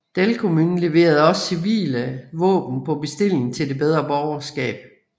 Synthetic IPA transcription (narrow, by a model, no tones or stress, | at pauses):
d̥elkʰo̝muːnn̩le̝ʋe̝̰ːɐð̞ˠɒ̽ssiʋḭːləʋɔ̰̽ːb̥n̩pʰɒ̽b̥e̝sd̥e̝l̰e̝ŋn̩t͡sʰe̝ld̥e̝b̥eð̞ˠʁɐb̥ɒʊɐsɡ̥ɛ̰ːb̥̚